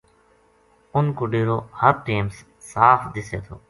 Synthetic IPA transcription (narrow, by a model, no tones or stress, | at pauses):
ʊnkʊɖiːɾoːhəɾʈiːmsː | aːfʰd̪ɪseːt̪ʰo̰ː